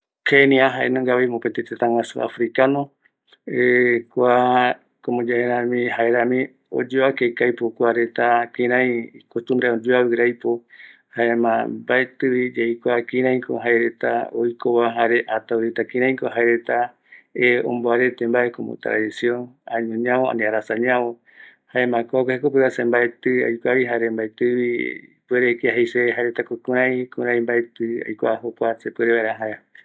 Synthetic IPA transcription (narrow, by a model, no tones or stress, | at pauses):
kʰenĩaɦaenõŋɡaβejmopet̪et̪et̪aŋwãsua̰fɾikanõ | ekʷa | komõd͡ʒaeɾãmĩhaeɾãmĩ | o̰d͡ʒoakejkajpokʷaɾet̪akĩɾ̃ãj̃ikot̪ũmbɾaõd͡ʒuawɨɾajpo | haemãbaet̪ɨβid͡ʒejkʷakĩɾãj̃ko̰ɦaeɾet̪a̰ojkoβaɦaɾeʔat̪auɾet̪akĩɾãj̃koɦaeɾet̪a | eo̰mboaɾet̪embaekomo̰t̪ɾa̰disioŋaɲõɲãoa̰nĩaɾasaɲãβõ | haemãkoakehekopɨβasembaet̪ɨa̰jkʷaβiɦaɾembaet̪ɨβipueɾekeaɦejseɦaeɾet̪akokũɾ̃ãj̃kuɾ̃ãj̃mbaet̪ɨa̰jkʷa̰ɦopʷasepweɾeβaeɾaɦae